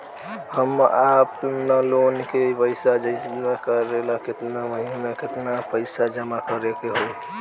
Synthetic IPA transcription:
həmapnəlonkeipəɪsad͡ʒəɪsmekəɾelaket̪naməɦimeket̪napəɪsad͡ʒəmakəɾekeɦoj

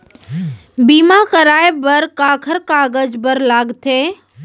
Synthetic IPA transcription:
biːmakəɾaːjbəɾkaːkʰəɾkaːɡəd͡ʒbəɾlaːɡt̪ʰeː

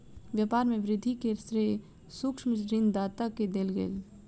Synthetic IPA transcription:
ʋjaːpaːɾmẽʋɾɪd̪ʱikesɾeː | sʊkʃmsɾɪnd̪aːt̪aked̪elɡḛːl

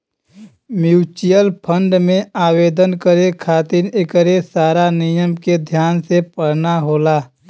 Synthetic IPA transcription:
mjuːt͡ʃijəlpʰə̃ɳɖmẽaːweːd̪ənkəɾekʰaːt̪ɪnekəɾesaːɾanɪjəmked̪ʱjaːnsepəɽnaɦoːlaː

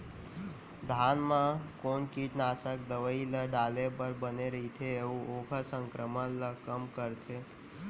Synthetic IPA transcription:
d̪ʱaːnmãkoːnkiʈnaːsək̚d̪əʋəiləɖaːlepəɾbəneɾəɦit̪ʰeeuoːkəsə̃ŋkɾəmələkəmkəɾt̪ʰe

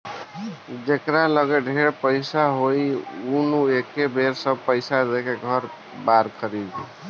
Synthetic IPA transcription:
d͡ʒekɾaləɡəɖʱeɾpəjsaɦojunuekebʱeɾsəb̚pəɪsad̪ekeɡʱəɾ | baɾkʰəɾid̪

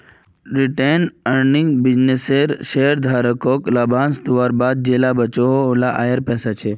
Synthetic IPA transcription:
ɾɪʈenəɾnɪŋɡbɪd͡ʒneseɾʃeɦəɾd̪ʱaːɾəkoklabʱãnsd̪ʊʋaɾbad̪̚d͡ʒelabət͡ʃoɦolaʔa̰jəɾpɛːsat͡ʃʰe

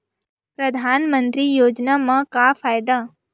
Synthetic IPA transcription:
pɾɐd̪ʱaːnmə̃nt̪ɾijoːd͡ʒnamãkafʰaːjd̪a

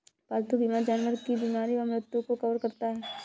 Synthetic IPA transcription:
paːlt̪ubimaɾd͡ʒaːnʋəɾkibiːmaːɾiʋɐmɾɪt̪wõkokɐʋɾkɐɾt̪aɦɛː

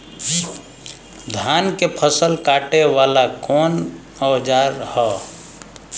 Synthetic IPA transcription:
d̪ʱankepʰəsəlkaʈeʋalakɔːn | ɔwd͡ʒaɾhɔ

